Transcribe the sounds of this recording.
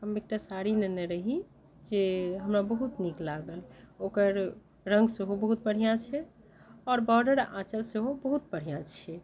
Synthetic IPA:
ɦəmek̚ʈasaɾineneɾəɦi | d͡ʒeɦəmɾabəɦut̪niklaɡəlokəɾ | ɾə̃ŋɡseɦobəɦut̪̚bəɽ̤ijãt͡ʃʰɛ | ɔːɾbɔɾɖəɾã̰t͡ʃəlseɦobəɦut̪̚bəɽ̤ijãt͡ʃʰɛ

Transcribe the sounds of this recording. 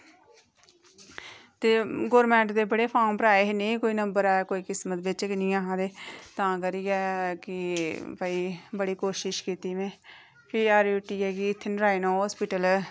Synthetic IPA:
t̪eːɡoːɾmɛ̃ːɳʈd̪eːbəɽeːpʰaːmpəɾaːeːɦeneĩkoːiːnəmbəɾaːeːkoːiːkɪsmət̪bɪt͡ʃknĩːãːɦãːd̪eːt̪ãːkəɾiːɛːkɪbəiːbəɽiːkoːʃɪʃkiːt̪iːmẽː | pʰiːaːɾuːʈiːɦɛːɡiːɪt̪ʰːɪnɾaːinoːɦɔːspɪʈəl

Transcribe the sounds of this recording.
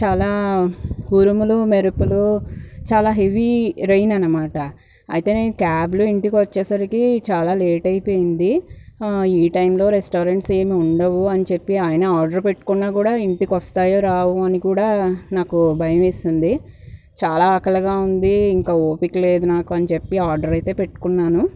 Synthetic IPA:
t͡ʃaːlaː | ɡuɾumulumeɾupulut͡ʃaːlaːɦe̞ʋiɾejinɐnːɐmaːʈɐ | ɐ̰jit̪e̞ːneːnukaːbluiɳʈikiʋɐt͡ʃːɛːsɐɾikit͡ʃaːlaːle̞ːʈɐjpo̞ːjind̪i | iːʈɐjmlo̞ːɾesʈoːɾeɳʈseːmiuɳɖɐʋuɐnit͡ʃe̞pːiaːjɐnɐaːɾɖɐɾpeʈːu̥kunːaːkuːɽaːiɳʈikiʋɐst̪aːjoːɾaːwuɐnikuːɽaːnaːkubʱɐjɐmeːsind̪i | t͡ʃaːlaːɐkɐlɐɡaːund̪iːŋkaːoːpikle̞ːd̪unaːkuɐnit͡ʃe̞pːiaːɾɖɐɾɐjt̪e̞ːpe̞ʈːu̥kunːaːnu

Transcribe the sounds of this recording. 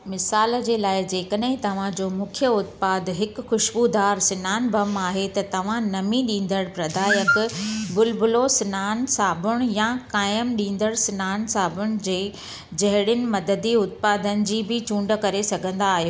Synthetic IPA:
mɪsaːl̆d͡ʑeːlaːɪd͡ʑeːkəɗ̃ɦɪ̃t̪ɐʋ̤ãd͡ʑoːmũːkʰjəʊt̪paːd̪ɦɪkxʊʃbud̪aːɾsɪnaːnbɐmaːɦet̪ɐt̪ɐʋ̤ãnɐmĩɗĩːn̆d̪əɽpɾɐd̪ʱaːjəkbʊlbʊlosɪnaːnsaːbʊɽ̃ʊjãkaːjəmɗĩːn̆d̪əɽsɪnaːnsaːbʊɽ̃ʊ̆d͡ʑeː | d͡ʑɐɦɪɽɪnɪ̆mɐd̪əd̪iʊt̪̚paːd̪ənɪ̆d͡ʑiːbʱɪt͡ɕũːɳɖəkɐɾesɐɡʱə̃nd̪aːɦijoː

